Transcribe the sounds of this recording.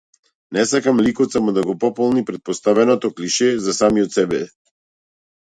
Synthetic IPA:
nɛsakamlikɔt̪samɔd̪aɡɔpɔpɔlˠnipɾɛt̪̚pɔst̪avɛnɔt̪ɔkliʃɛzasamiɔt̪sɛbɛ

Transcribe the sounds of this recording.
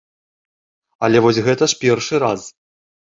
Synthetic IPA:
ɐlʲɛvɔsʲɣɛt̪ɐʂpʲɛrʂɨɾas

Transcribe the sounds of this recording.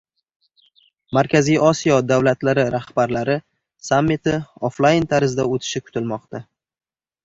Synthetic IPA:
maɾkʲʰazijɒsijɒd̪awlat̪laɾɪɾahbaɾlaɾɪ | samːɪt̪ʰɪoflˠajɪnt̪ʰaɾɪzd̪aot̪ʰɪ̥ʃɪkʰʊ̥t̪ʰɪlmɒqt̪a

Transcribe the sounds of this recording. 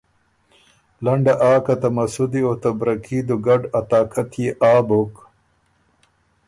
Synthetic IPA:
lɐɳɖaʔaːkat̪ɐmɐsud̪iot̪ɐbɾɐkʰiːd̪uɡɐɖɐt̪aːkʰɐt̪jeʔaːbok

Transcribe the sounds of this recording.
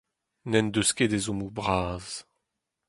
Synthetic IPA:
nɛnd̪øsked̪ezɔmubʁaːz̥

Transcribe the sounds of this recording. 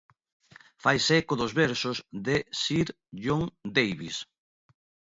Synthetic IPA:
fajsekoðozβɛɾsozðesiɾ | ʎoŋd̪ejβis

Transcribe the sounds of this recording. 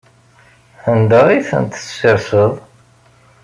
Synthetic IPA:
θənd̪æʁiθə̰nt̪əseɾsəðˤ

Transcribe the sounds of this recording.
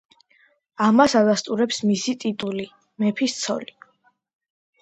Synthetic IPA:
amasad̪ast̪ʼuɾɛpsmisit̪ʼit̪ʼuli | mɛpʰist̪sʰɔli

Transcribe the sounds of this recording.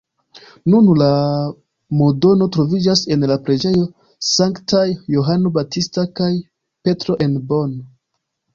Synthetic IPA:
nunla | modo̞no̞tɾo̞vid͡ʒase̞nlapɾe̞d͡ʒe̞jo̞ | saŋktajːoɦano̞batistakaj | pe̞tɾo̞ʔe̞nbo̞n

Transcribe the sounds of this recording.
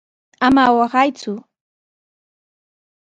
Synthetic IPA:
amawɑɢɑjt͡sʊ

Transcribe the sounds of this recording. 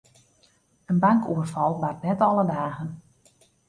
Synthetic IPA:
ənbaŋkuərfɑlˠʋartnɛtɔlˠədaːɣən

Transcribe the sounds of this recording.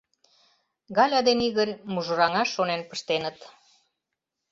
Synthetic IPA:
ɣɑlʲɑd̪eniɣərʲmuʒoɾɑŋɑʃːonenpə̥ʃt̪enət̪

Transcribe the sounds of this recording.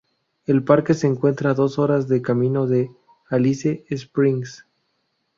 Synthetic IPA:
e̞lpaɾke̞se̞ːŋkwe̞nt̪ɾaðo̞so̞ɾazðe̞kamĩno̞ðe̞ | aliseːspɾiŋs

